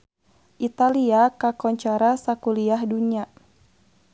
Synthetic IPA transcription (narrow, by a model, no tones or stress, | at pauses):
ʔit̪aliakakɔɲt͡ʃaɾasakuliahduɲa